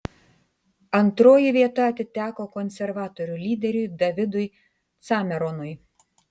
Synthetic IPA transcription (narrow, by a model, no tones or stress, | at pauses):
ɐnt̪ɾoːjɪʋʲiɛt̪ɐɐt̪ʲɪt̪ʲæːkoːkɔnʲsʲɛɾʋɑːt̪ɔɾʲʊlʲiːd̪ʲɛɾʲʊɪd̪ɐʋʲɪd̪ʊj | t̪sɑːmʲɛɾonʊj